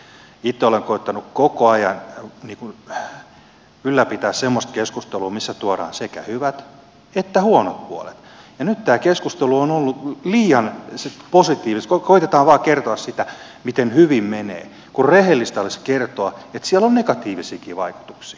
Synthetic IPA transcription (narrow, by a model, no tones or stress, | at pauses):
it̪ːeoleŋkoit̪ːɑnukkokoɑjɑnniːkun | ylːæpit̪æːssemːost̪keskust̪eluːmisːæt̪uoɾɑ̰ːnsekæ̰hyʋæt̪ | et̪ːæhuonot̪̚puo̰lḛt̪ | jɑnyt̪t̪æːkeskust̪eluonolːuliːjɑnseposit̪iːʋist̪kokoit̪et̪ɑːʋʋɑːkert̪oɑssit̪æmit̪enhyʋimmenḛː | kurrehelːist̪ɑleskert̪oɑet̪siælːonnekɑt̪iːʋisiːkiːʋɑiku̥t̪u̥ksi̥ː